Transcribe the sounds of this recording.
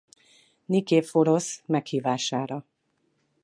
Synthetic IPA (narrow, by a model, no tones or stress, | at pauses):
nikeːfoɾosmɛkhiːvaːʃaːɾɒ